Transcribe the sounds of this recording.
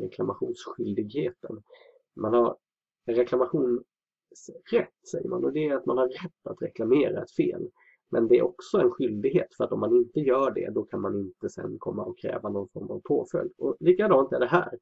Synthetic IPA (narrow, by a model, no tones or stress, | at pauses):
ɾɛkʰlamaɧuːnsɧʏld̪ɪɡheːt̪ən | manhaɾ | ɾɛklamaɧuːn | sɾɛt̪ːsɛjːə̰ɾma̰nɔd̪ɛːɾat̪manhaɾɾɛt̪ːat̪ɾɛklameːɾaɛt̪fḛːl | mɛnd̪ɛæɾʔɔksɔɛnɧʏld̪ɪɡɦeːt̪fœɾat̪ɔmːanɪnt̪əjœːɖɛ̰d̪ɔkʰanmanɪnt̪əsɛ̰nːkʰɔmːaɔkʰːɾɛ̰ːvanɔnfɔɾmavpʰoːfœ̰ld̪ɔliːkad̪ɑːnt̪æɖɛɦæːɾ